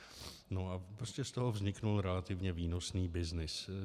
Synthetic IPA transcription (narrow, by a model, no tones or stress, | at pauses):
noapɾoscɛst̪oɦovzɲɪknulɾɛlat̪ɪvɲɛviːnosniːbɪznɪs